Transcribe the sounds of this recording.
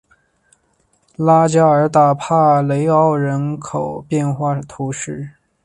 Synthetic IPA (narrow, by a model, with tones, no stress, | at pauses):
la˥t͡ɕja˥ə˞˧˥t̪a˨˩pʰa˥˩le˧˥ɪɑ˥ʊɻə˧˥nkʰo˨˩ʊpjɛ˥˧nxwa˥˩t̪ʰu˧˥ʂɻ̩˥˩